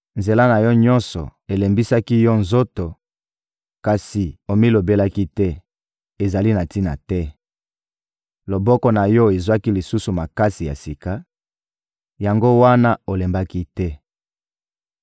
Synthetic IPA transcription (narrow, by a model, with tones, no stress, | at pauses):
nze˨la˦na˨jɔ˦ɲɔ˦nsɔ˨e˨le˨mbi˦sa˦ki˦jɔ˦nzo˦to˨ | ka˨si˨o˨mi˦lo˨be˦la˦ki˦tɛ˦ | e˨za˨li˦na˨ti˦na̰˨tɛ˦ | lo˨bɔ˦kɔ˦na˨jɔ˦e˨zwa˦ki˦li˨su˦su˨ma˨ka˦si˨ja̰˨si˨ka˦ | ja˨ŋɡo˦wa˦na˦o˨le˨mba˦ki˦tɛ˦